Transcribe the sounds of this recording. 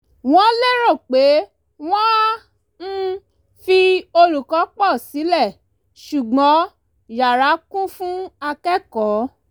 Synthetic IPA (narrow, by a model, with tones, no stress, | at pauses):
w̃ɔ̃˦le˦ɾɔ˦˨k͡pe˨˦ | w̃ɔ̃˦ | n̩˦˧ | fi˧o˧ɾu˨kɔ˨˦k͡pɔ˦˨si˨˦lɛ˦˨ | ʃu˨ɡ͡bɔ̃˨˦ | ja˨ɾa˨˦kũ˦fũ˦a˧kɛ˦kɔ˨˦